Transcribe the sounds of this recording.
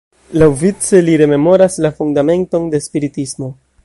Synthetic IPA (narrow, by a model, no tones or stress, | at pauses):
lawvit͡se̞liɾe̞me̞mo̞ɾaslafundame̞nto̞nde̞spiɾitismo̞